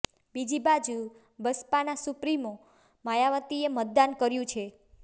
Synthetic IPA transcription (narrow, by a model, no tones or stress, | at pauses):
bid͡ʒibad͡ʒu | bəspanasʊpɾimo | majaʋət̪iemət̪̚d̪ankəɾjũt͡ʃʰe